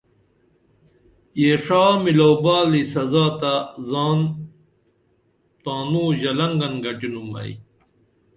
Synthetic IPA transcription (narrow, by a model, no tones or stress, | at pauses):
jeːʂaːmilowbaːlisɐzaːt̪azaːn | t̪aːnuːʑɐlɐŋɡɐnɡɐʈinumɐ̰ḭ